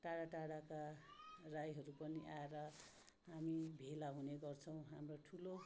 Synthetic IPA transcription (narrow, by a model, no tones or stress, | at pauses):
ʈaɽaʈaɽakarajɦʌɾupʌniʔaeɾʌ | ɦamibʱelaɦuneɡʌrt͡sʰʌw̃ɦamroʈʰulo